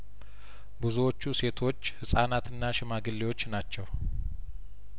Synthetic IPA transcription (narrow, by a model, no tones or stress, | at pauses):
bɨzuwo̞t͡ʃːuse̞t̪ʰo̞t͡ʃːhɨsʼanat̪ʰɨnːaʃɪmaɡɨlːewo̞t͡ʃːnat͡ʃːɛw